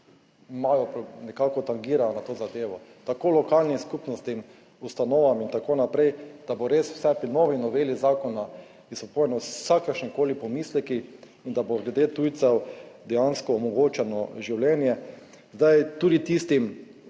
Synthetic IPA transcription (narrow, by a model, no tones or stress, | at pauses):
imaːjɔpnɛkakɔt̪aŋɡiːɾanat̪oːzad̪eːʋɔt̪akoːlɔkalnimskupnɔst̪im | ust̪anɔʋamint̪akoːnapɾɛjd̪̥aboɾeːsw̥sɛpɾinɔːʋinɔʋelizaːkɔna | ispopoːjɛnɔsakəɾʃnikoːlipɔmislɛki | ind̪aboɡlɛd̪et̪ujt̪sɛwd̪ɛjanskɔːmɔɡoːt͡ʃɛnɔʒiwljɛnjɛ | zd̪ajt̪uːd̪it̪ist̪im